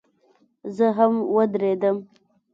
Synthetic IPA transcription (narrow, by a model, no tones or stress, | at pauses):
zəɦamwəd̪ɾed̪əm